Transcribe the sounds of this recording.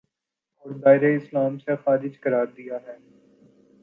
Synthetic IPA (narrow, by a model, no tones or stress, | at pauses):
ɔːɾd̪aːɪɾeɪslaːmsexaːɾɪd͡ʒkɐɾaːɾd̪ijaɦɛː